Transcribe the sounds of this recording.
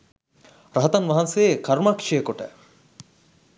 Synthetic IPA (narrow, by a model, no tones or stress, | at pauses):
ɾɐɦɐt̪ɐnʋɐɦɐnseekɐɾmɐkʂejəkoʈə̰